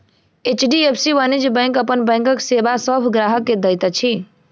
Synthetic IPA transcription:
et͡ʃɖiepʰsiʋanid͡ʒbə̃ŋkəpənbə̃ŋkəksebasəbʱɡɾaɦəkːed̪əjt̪ət͡ʃʰi

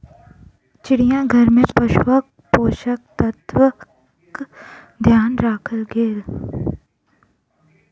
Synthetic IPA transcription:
t͡ʃɪɽijãɡʱɐɾmẽpɐʃwək̚ | poːʃək̚t̪ət̪ʋə | k | d̪ʱjaːnɾaːkʰəlɡeːl

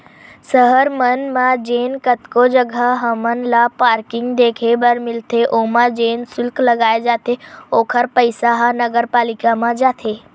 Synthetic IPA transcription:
səɦəɾmənmãd͡ʒeːnkət̪kod͡ʒəɡʱaɦɐmənlapaːɾkɪŋɡd̪eːkʰebəɾmɪlt̪ʰeʔomãd͡ʒeːnsʊlklɐɡaːed͡ʒaːt̪ʰeoːkʰəɾpəɪsaɦãnəɡəɾpaːlɪkamãd͡ʒaːt̪ʰeː

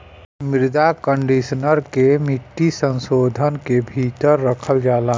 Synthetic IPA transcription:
mɪɾd̪akə̃ɳɖisnəɾkemɪʈ̪ːisə̃nsoːd̪ʱənkebʱit̪əɾːəkʰəld͡ʒaːlaː

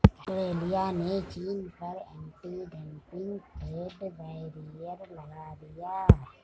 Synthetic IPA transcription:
əʈɾeːlijanet͡ʃiːnpɐɾɛ̃ːɳʈiɖɛ̃mpɪ̃ŋɡkeːɖbɛɾijəɾlɐɡaːd̪ijaː

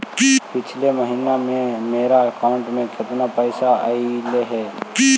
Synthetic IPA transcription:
pɪt͡ʃʰleməɦiːnamẽmeːɾakaːʊ̃ɳʈmẽd͡ʒɪt̪napəjsaaileɦɛː

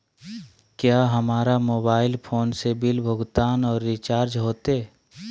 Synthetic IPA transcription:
kjaːɦɐmaːɾamoːbaːɪlpʰoːnsebɪlbʱʊɡt̪aːnɔːɾːit͡ʃaːɾd͡ʒɦoːt̪e

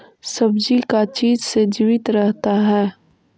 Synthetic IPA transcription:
sɐbd͡ʒikat͡ʃiːd͡ʒsed͡ʒiːʋɪt̪ɾɛɦt̪aɦɛː

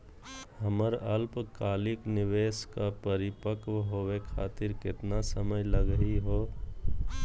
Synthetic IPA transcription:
həməɾəlpkaːlɪknɪʋeːskapəɾɪpəkʋɦoːwekʰaːt̪ɪɾkɪt̪nasəməjləɡəɦiɦoː

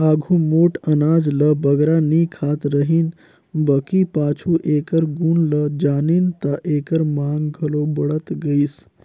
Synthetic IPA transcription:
aːɡʱumoːʈənaːd͡ʒləbəɡɾaniːkʰaːt̪ɾəɦin | bəkipaːt͡ʃʰuʔeːkəɾɡuːnləd͡ʒaːnint̪aʔeːkəɾmaŋɡɡʱəlobəɽət̪ɡəis

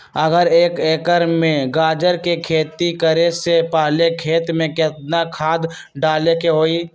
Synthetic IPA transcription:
əɡəɾeːkeːkəɾmẽɡaːd͡ʒəɾkekʰeːt̪ikəɾesepaɦlekʰeːt̪mẽkɛt̪nakʰaːd̪ | ɖaːlekeɦoːiː

